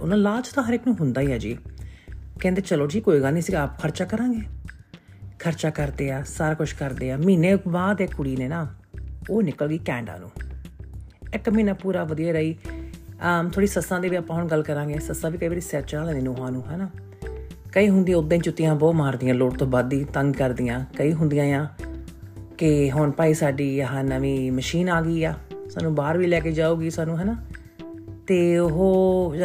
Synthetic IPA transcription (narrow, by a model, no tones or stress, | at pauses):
ʊ̰nãːlaːt͡ʃt̪ãːɦəɾɪknũːɦʊnd̪aːiːaːd͡ʒḭː | kɛ̃ːnd̪eːt͡ʃəloːd͡ʒiːkoːiːɡəlnĩːsiːɡaːpkʰəɾt͡ʃaːkəɾãːŋɡeː | kʰəɾt͡ʃaːkəɾd̪eːaːsaːɾaːkʊʃʰkəɾd̪eːaːmiːnẽːbaːd̪ekʊɽiːneːnaːoːnɪkəlɡiːkɛ̃ːɳɖa̰ːnṵ̃ː | ɪkmiːnãːpuːɾaːʋəd̪ijaːɾəiː | t̪ʰoːɽiːsəsãːd̪eːʋiːəpãːɦʊɳɡəlkəɾãːɡeːsəsãːbiːkəiːbaːɾiːsɛːt͡ʃãːlɛ̃ːeːnoːɦãːnũːɦɛːnaː | kəiːɦʊ̃nd̪ijaːʊd̪ẽːt͡ʃʊt̪ːɪjãːbɔːmaːɾd̪ɪjãːloːʈt̪õːbaːd̪iːt̪əŋɡkəɾd̪ɪjãːkəiːɦʊnd̪ɪjãːjãː | kɪɦʊɳpaːiːsaːɖiːəɦãːnəʋĩːməʃiːnaːɡiːaːsa̰ːnũːbaːɾʋiːlɛːkeːd͡ʒaːuːɡiːsaːnũːɦɛːnaː | t̪eːʊɦoː